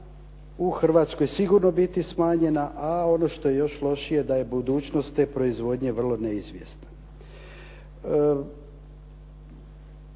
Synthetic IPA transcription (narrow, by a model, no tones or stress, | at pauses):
uxr̩ʋaːt̪sko̞jsiɡuɾno̞bit̪ismaːɲe̞naʔao̞no̞ʃt̪o̞jejo̞ʃlˠo̞ʃije̞d̪aje̞bud̪uːt͡ɕno̞st̪ːe̞ːpɾo̞izʋo̞d̪ɲe̞ʋr̩lˠo̞neizʋje̞̰st̪nḁ